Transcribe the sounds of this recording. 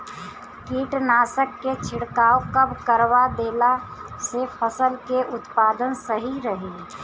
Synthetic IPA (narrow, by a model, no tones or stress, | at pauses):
kiːʈnaːsəkːet͡ʃʰɪɽkaːokɐbkəɾwad̪eːla | sepʰəsəlkeʔʊt̪paːd̪ənsəɦiɾəɦeː